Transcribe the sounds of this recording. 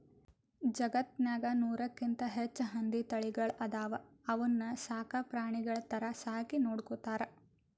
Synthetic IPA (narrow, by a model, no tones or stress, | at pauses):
d͡ʒɐɡɐt̪̚naːɡɐnuːɾɐkːint̪ɐɦet͡ʃːɦɐnd̪it̪ɐɭiɡɐɭɐd̪aːʋɐ | ɐʋɐnːɐsaːkɐpɾaːɳiɡɐɭɐt̪ɐɾɐsaːkinoːɽkut̪aːɾɐ